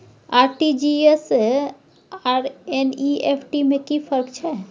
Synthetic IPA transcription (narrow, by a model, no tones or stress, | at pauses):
aɾʈid͡ʒies | aɾeniepʰʈimekipʰəɾkt͡ʃʰɛ